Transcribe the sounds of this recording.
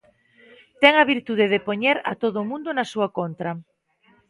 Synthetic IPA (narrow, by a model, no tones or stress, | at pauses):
t̪ɛŋaβ̞iɾt̪uð̞eð̞epoɲeɾa̰t̪oðʊːmũnd̪onasuakont̪ɾa